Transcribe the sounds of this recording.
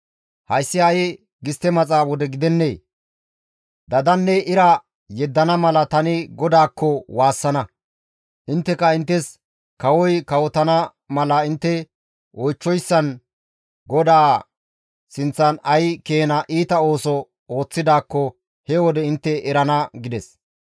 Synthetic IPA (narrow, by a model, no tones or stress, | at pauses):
hɐjsːɪɐjɪ | ɡɪst̪ːɛmɐt͡sʼaːwɔd̪ɛɡɪd̪ɛnːe̞ː | d̪ɐd̪ɐnːɛʔɪɾɐ | jɛd̪ːɐnɐmɐlɐt̪ɐnɪɡɔd̪aːkːɔwaːsːɐnɐ | ʔɪnt̪ːɛkɐɪnt̪ːɛs | kɐwɔjkɐwɔt̪ɐnɐ | mɐlɐɪnt̪ːɛ | wɔjt͡ʃːɔjsːɐn | ɡɔd̪aː | sɪnt͡sːɐnɐjkeːnɐʔiːt̪ɐo̞ːsɔ | oːt͡sːɪd̪aːkːɔ | hɛwɔd̪ɛɪnt̪ːɛʔɛɾɐnɐɡɪd̪ɛs